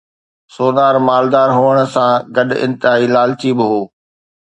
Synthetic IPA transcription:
soːnaːɾmaːld̪aːɾɦuːəɽ̃̆sãɡɐɗɪ̰̃nt̪ɪɦaːilaːlt͡ɕiːbɪɦoː

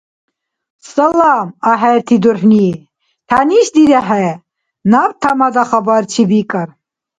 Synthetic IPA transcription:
sɐlamaɦɛɾt̪ʰid̪uɾħni | t̪ʰaniʃd̪id̪aɦɛ | nabt̪ʰamad̪aχabaɾt͡ʃʰibikʼəɾ

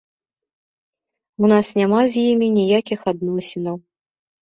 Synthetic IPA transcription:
unasnʲamazʲjimʲinʲijakʲixad̪nɔsʲinɐw

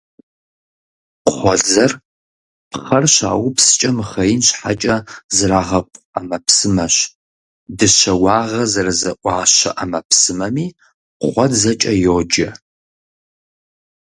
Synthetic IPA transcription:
χʷɔɮzɐr | pχɐrɕa̰ːwpsɨ̥t͡ʃʼɐmχɐjɪnɕħa̰t͡ʃʼɐzɨraːʁɐpʷʼ | amɐpsɨmɐɕ | dɨɕɐwɑːʁɐzɐrɨzɐʔʷʼɑːɕɐ̰ʔɐmɐpʰsɨmɐmiː | χʷɔdzɐt͡ʃʼɐjoːd͡ʒɐ

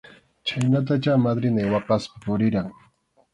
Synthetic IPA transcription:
t͡ʃajnat̪at͡ʃamad̪ɾɪnajwɑqɑspɪ̥pʊɾɪɾaŋ

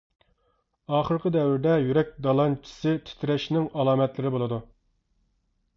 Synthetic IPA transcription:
ɑːχəɾqəd̪ɛwɪɾd̪ɛjyɾɛk̚ʲd̪ɑlˠɑnt͡ʃʰːi̥sɪt̪ʰɪ̥t̪ʰɾɛʃnɪŋɑlˠɑːmɛt̪lɪɾɪbolˠɨd̪u

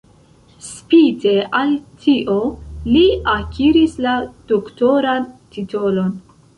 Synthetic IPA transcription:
spite̞altʰiʔo̞liakʰiɾislad̥okto̞ɾantito̞lo̞n

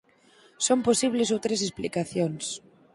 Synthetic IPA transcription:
somposiβ̞lesowt̪ɾesesplikaθjons

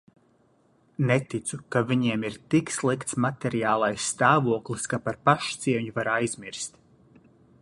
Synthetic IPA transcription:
nɛt̪it̪sukavʲiɲiɛmiɾt̪ikslˠikt̪smat̪ɛɾiaːlˠajsːt̪aːvuɔklˠiskapaɾpaʃt̪siɛɲuvaɾajzmiɾst̪

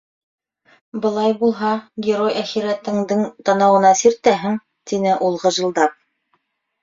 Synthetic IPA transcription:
bɤ̆lˠɑjbulˠɦɑɡʲɪɾojʔæχiɾæt̪ɘ̆ŋd̪ɘŋt̪ɑnɑwɤ̆nɑsiɾt̪æɦɘ̆ŋ | t̪inɘʔulˠʁɤ̆ʒɤ̆lˠd̪ɑp̚

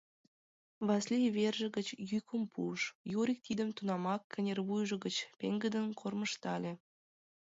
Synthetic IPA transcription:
βɑslʲijβerʒə̆ɣət͡ɕjykʰəmpʰuʃjoɾʲik̚t̪id̪əmt̪unɑmɑkʰːə̆nʲerβujʒə̆ɣət͡ɕpḛŋɡəd̪ənkʰorməʃt̪ɑlʲĕ

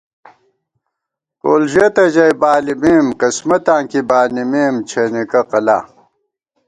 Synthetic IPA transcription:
koːlʑet̪ɐʑɐjbaːlimeːmkɐsmɐt̪ãːŋkibaːnimeːmt͡ɕʰenikɐqɐla̰ː

